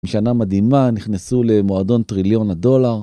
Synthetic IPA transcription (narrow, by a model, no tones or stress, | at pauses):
ʃanamad̪imaniχnesule̞moad̪o̞ntʁiljo̞nado̞laʁ